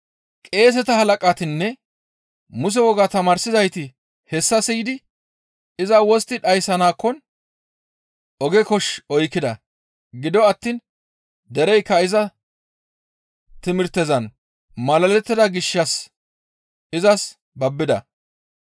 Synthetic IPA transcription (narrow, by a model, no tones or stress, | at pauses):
kʼe̞ːs̬ɛt̪ɐhɐlɐkʼaːt̪ɪnːɛ | mʊs̬ɛwɔɡaːt̪ɐmaːɾsɪzɐjt̪ɪ | hɛsːɐsijd̪ɪ | ɪzɐwɔst̪ːɪᶑɐjsɐnaːkːɔn | ʔɔɡɛkɔʃɔjkːɪd̪ɐ | ɡɪd̪ɔɐt̪ːiːn | d̪ɛɾɛjkːɐɪzɐ | t̪ɪmɪɾt̪ːɛzɐn | mɐlɐlɛt̪ːɪd̪ɐɡɪʃːɐs | ɪzɐs | bɐbːɪd̪ɐ̰